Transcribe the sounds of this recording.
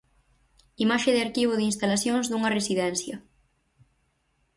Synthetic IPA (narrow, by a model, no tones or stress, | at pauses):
imaʃeðeaɾkiβ̞oðinst̪alaθjoŋzðuŋɐresiðɛnθjɐ